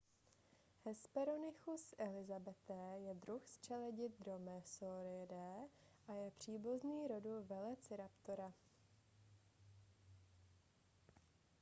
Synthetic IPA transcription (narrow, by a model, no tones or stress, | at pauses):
hɛspɛɾonɪxusʔɛlɪzabɛt̪ɛːjɛd̪ɾuxstt͡ʃɛlɛɟɪd̪̚dɾomɛsoɾɪdɛːʔajɛpr̝̥iːbuzniːɾoduvɛlɛt͡sɪɾapt̪oɾa